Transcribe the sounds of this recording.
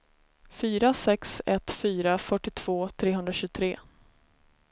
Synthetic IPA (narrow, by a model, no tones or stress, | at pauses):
fyːɾasɛksɛt̪fyːɾafœʈːɪt̪ʰv̥oːt̪ʰɾeːɦɵnɾaɕʉːt̪ʰɾeː